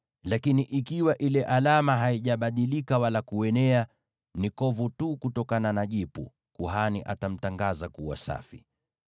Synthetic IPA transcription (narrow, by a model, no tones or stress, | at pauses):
lakiniʔikiwaʔilɛʔalamaɦaiʄaɓaɗilikawalakuɛnɛa | nikɔvutukutɔkananaʄipṵ | kuɦanḭʔa̰tam̩taŋɡazakuwa̰sa̰fi